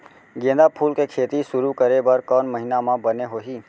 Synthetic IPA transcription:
ɡẽːd̪apʰulkekʰeːt̪iʃʊɾukəɾebəɾkənməɦinamãbəneɦoɦiː

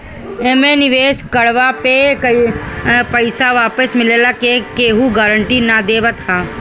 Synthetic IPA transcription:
eːmenɪʋeːskɐɽʋapekɐipəɪsaʋaːpəsmɪleːlakekeːɦuɡaːɾəɳʈinad̪eːʋət̪ʰaː

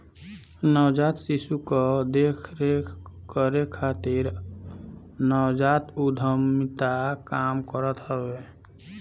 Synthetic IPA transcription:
nəwd͡ʒat̪sisukɔd̪ekʰɾekəɾekʰat̪iɾ | nəwd͡ʒat̪ud̪ʱəmit̪akamkəɾət̪ɦəbe

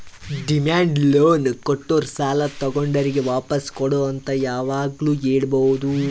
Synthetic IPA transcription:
ɖimaːɳɖloːnkoʈːoɾɐsaːlɐt̪ɐɡoɳɖɐɾiɡe̞ʋaːpɐskɔɽoːɐnt̪ɐjaːʋaːɡluːeːɽbɐɦud̪u

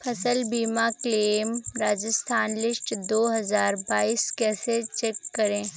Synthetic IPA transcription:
pʰɐsəlbiːmakleːmɾaːd͡ʒəst̪ʰaːnlɪsʈd̪oːɦɐzaːɾbaːiːskɛːset͡ʃeːkːɐɾẽː

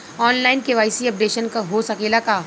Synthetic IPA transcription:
ɔːnlaːɪnkeʋaːɪsiɐp̚ɖeːʃənkaɦosɐkeːlakaː

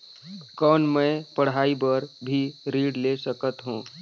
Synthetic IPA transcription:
kɔːnmə̃pəɽ̤aːibəɾbʱiɾiːɖlesəkət̪ɦũː

